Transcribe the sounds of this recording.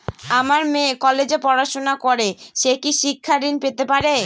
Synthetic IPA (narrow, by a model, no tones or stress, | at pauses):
amaɾmẽkɔled͡ʑepɔɾaʃonakoɾeʃekiʃikʰːad̪inpet̪epaɾe